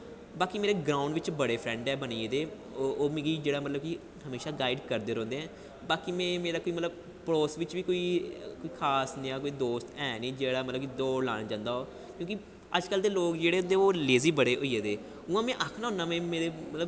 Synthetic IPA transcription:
baːkiːmeːɾeːɡɾãːʊɳɖʋɪt͡ʃbəɽeːpʰɾɛ̃ːɳɖɛːbəniːeːd̪eː | oːmẽːɡiːd͡ʒeːɽaːmət̪ləb̚ki | ɦəmeːʃaːɡaːɪɖkəɾd̪eːɾɔ̃ːnd̪eːɛ̃ː | baːkimɛ̃ːmeːɾaːkoːiːmət̪ləb | pɾoːsʋɪt͡ʃʋiːkoːiːkoːiːkʰaːsnĩːãːkoːiːd̪oːst̪ɛːnĩːd͡ʒeːɽaːmət̪ləbkid̪oːɽla̰ːɽd͡ʒãːnd̪aːoː | kjõːk̬ɪ | əd͡ʒkəld̪eːloːkd͡ʒeːɽeːʊ̃nd̪eːoːleːziːbəɽeːʔoːiːeːd̪eː | ʊãːmɛ̃ːʔaːkʰnaːʊ̃ːnaːmɛ̃ːmeːɾeːmət̪ləb

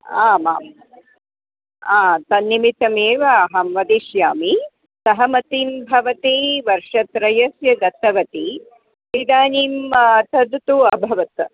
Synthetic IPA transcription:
aːmaːm | aːt̪ɐnːimit̪ɐmeːʋɐːɦɐmʋɐd̪iʃjaːmi | sɐɦɐmɐt̪iːmbʱɐʋɐt̪iːʋɐɾʂɐt̪ɾɐjɐsjɐɡɐt̪ʰɐʋɐt̪i | id̪aːniːmɐt̪ʰɐd̪t̪uɐbʱɐʋɐt̪

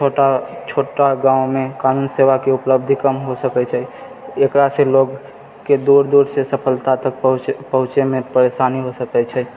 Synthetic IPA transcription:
t͡ʃʰoʈat͡ʃʰoːʈaɡãːʊ̃mẽkaːnuːnseːʋakeʊpləb̚d̪ʱikəmɦosəkɛt͡ʃʰɛ | ekɾaseloɡ | ked̪uɾd̪uɾsesəpʰəlt̪at̪ək̚pəɦʊ̃t͡ʃemẽpəɾesaːniɦosəkɛt͡ʃʰɛ

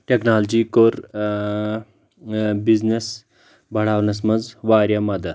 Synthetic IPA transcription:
ʈeknaːlɐd͡ʒikoɾ | biznes | bʱɐɽaːʋnɐs̬mɐnd͡zʋaːɾjɐmɐd̪ɐ

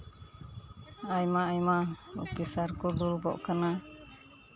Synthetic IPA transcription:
ajmaːjmaṵkisaɾkuɡulbɔ̰ʔkana

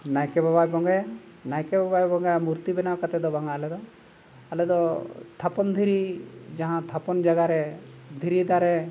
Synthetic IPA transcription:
najkɛbabajbɔŋɡaja | najkɛbabajbɔŋɡajamuɾt̪ibɛnakat̪ɛd̪ɔbaŋalɛd̪ɔ | alɛd̪ɔt̪ʰapɔnd̪ʱiɾid͡ʒaɦãt̪ʰapɔnd͡ʒaɡaɾɛd̪ʱiɾid̪aɾɛ

